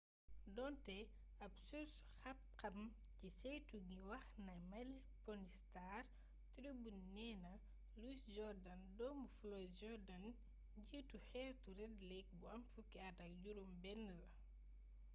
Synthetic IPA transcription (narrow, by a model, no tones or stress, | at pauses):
dɔːntɛ | ɐpsusxɐp̚kɐm | cisɛjtuɡiwɐxnɐjmɐl | pɔnistaːr | tidubunɛnɐ | lusd͡ʒɔrdɐndɔmbuflɔjsd͡ʒɔɾdɐn | ɟiːtuxɛːɾtuɾɛdlɛk̚buɐmfukːɛɐtɐk̚ɟuɾumbɛnːlɐ